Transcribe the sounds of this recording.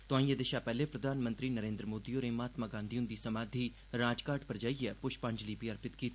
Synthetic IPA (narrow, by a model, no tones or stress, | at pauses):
t̪ʊãːĩjed̪ɪʃapɛːlepɾɐd̪ʱaːnmə̃nt̪ɾinəɾẽːnd̪ɾəmoːd̪ioːɾeːmaːt̪maːɡãːnd̪iʊ̃nd̪isɐmaːd̪ʱi | ɾaːd͡ʒkaːɾʈpɐɾd͡ʒaːiɛːpʊʃpãɲd͡ʒlibiɐɾpɪt̪kiːt̪